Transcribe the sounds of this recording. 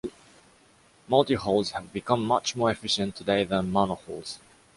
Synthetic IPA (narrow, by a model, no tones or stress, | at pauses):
maltiholˠzhɛvbikãmːat͡ʃmɔɛfɪʃə̃ntʰːudeɪðɛ̃nmãnəhols